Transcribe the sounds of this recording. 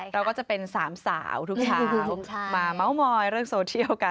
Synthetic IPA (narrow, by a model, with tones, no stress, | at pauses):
ɾa˧wkɔː˥˩t͡ɕa˨˩pe˧nsaː˩˦msa̰ː˩˦wt̪ʰu˦˥k̚t͡ɕʰaː˦wmaː˧ma˦˥wmɔː˧jɾɯ˥˩əŋsoː˧t͡ɕʰi˥˩əwka˧